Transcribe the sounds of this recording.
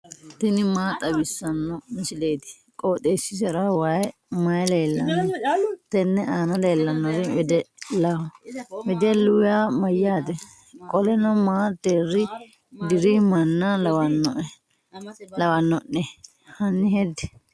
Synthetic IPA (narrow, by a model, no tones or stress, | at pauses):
t̪ɪnɪmaːt̪ʼɐbɪsːɐnːɔmɪsɪleːt̪ɪ̥ | kʼoːt̪ʼeːsːɪsɛɾɐwajɛ | mɐjleːlːɐnnːɔt̪ɛnːɛaːnɐleːlːɐnːɔɾɪɛd̪ɛlɐhɔwɛd̪ɛlʊwjamɐjaːt̪ɛ | kʼɔlɛnɔmaːt̪ːeːrːɪ | d̪ɪɾimɐnːalɐwɐnːɔʔɛ | lɐwɐnːɔnːɛ | hɐnːɪhɛd̪ɛ̥